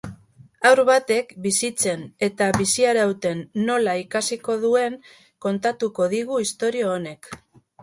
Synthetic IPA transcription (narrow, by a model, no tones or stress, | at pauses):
awɾβat̪e̞kbisit͡se̞ne̞t̪aβisiaɾawt̪e̞nːo̞laikasiko̞ðue̞ŋ | ko̞nt̪at̪uko̞ðiɣ̞uist̪o̞ɾioːne̞k